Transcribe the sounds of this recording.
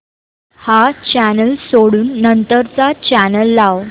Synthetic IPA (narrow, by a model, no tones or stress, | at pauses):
hat͡ɕænəlsoɽuːnːənt̪əɾt͡sat͡ɕænəlːaw